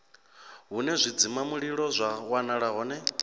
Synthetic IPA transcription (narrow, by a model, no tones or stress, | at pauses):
ɦunɛzʷid͡zimamuɺiɺɔzʷawanaɺaɦɔːnɛ